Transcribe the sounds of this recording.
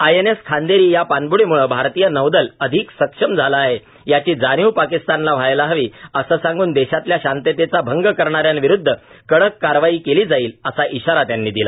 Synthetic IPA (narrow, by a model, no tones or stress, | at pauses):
ajeneskʰand̪eɾiːjapanbuɽemuɭəbʱaɾt̪ijənəʋd̪ələd̪ʱiːksəkʂəmd͡zʱalaːɦe | jat͡ɕiːd͡zanjiwpakist̪anlaʋ̤ajlaɦəʋiːəsəːsãŋɡuːnd̪eɕat̪ljaɕant̪et̪et͡sabʱəŋɡəkəɾɳ̃aɾjanʋiɾud̪ʱːə | kəɽəkːaɾʋaiːkeliːd͡zaiːləsaʔiɕaɾat̪janːiːd̪ila